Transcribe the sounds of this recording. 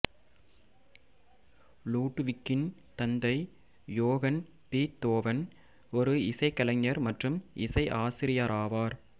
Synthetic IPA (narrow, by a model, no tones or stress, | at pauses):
luːʈːʋɪkːɪn | t̪ɐnd̪ɐɪ | joːɣɐn | piːt̪ːoːʋɐn | ɔɾɯɪsɐɪkːɐlɐɲːɐɾmɐʈrɯmɪsɐɪʔaːsɪɾɪjaɾaːʋaːɾ